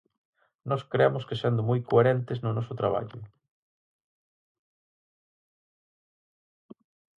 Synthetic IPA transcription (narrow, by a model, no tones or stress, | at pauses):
nɔskɾeamʊskesend̪ʊmɔjkoeɾent̪ɪznʊnɔsʊt̪ɾaβa̰ʎʊ